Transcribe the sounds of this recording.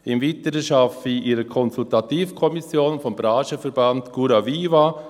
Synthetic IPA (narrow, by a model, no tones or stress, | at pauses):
ɪmvitəɾəʃafiʔiɾəkʰɔnsultatiːfkʰɔmisjoːnfɔmbɾaːʃəfɛɾbantɡ̥uɾaviːva